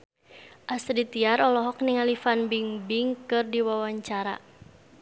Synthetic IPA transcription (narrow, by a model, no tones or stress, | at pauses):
ʔasɾit̪iaɾɔlɔɦɔk̚niŋalifanbiŋbiŋkɨrdiwawaɲt͡ʃaɾa̰